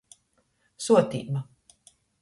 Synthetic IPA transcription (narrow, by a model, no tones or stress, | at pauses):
suɔt̪ʲḭːma